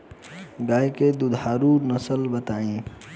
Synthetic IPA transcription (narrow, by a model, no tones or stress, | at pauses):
ɡaːjked̪ʊd̪ʱaːɾunəsəlbət̪aːĩː